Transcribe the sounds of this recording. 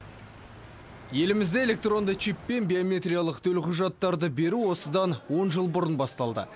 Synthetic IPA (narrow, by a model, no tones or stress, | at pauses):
je̞lɪmɪzd̪ee̞le̞k̚t̪ro̞nd̪ət͡ʃʰipːe̞nbʲiomʲe̞t̪ɾʲijalˠəqt̪ʰɵlqʰʊʒɑt̪ːɑɾd̪əbe̞ɾuwo̞səd̪ɑnwo̞nʒəlˠbʊɾənbɑst̪ɑlˠd̪ə̰